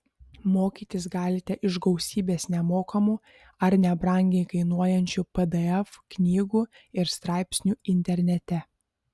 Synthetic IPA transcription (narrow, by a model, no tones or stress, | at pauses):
moːkʲiːt̪ʲɪsɡɑːlʲɪt̪ʲɛʔɪʒɡɐʊsʲiːbʲeːsnʲɛmoːkɐmu | ɐɾnʲɛbɾɐˑŋʲɡʲɛɪkɐɪnuɔjɛnʲt͡ʃʲupɛd̪ɨɛfknʲiːɡuː | ɪɾst̪ɾɑˑɪpʲsʲnʲuːɪnʲt̪ʲɛɾʲnʲɛt̪ʲɛ